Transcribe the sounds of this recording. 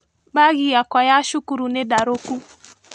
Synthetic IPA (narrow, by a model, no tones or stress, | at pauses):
ɓaɣiakwajaʃukuɾunɛɗaɾoku